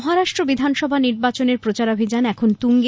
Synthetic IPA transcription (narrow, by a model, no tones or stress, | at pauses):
ɦaɾaʃʈɾobid̪ʱanʃɔbʱaniɾbat͡ɕoneɾpɾot͡ɕaɾobʱid͡ʑanɛkʰont̪uŋɡ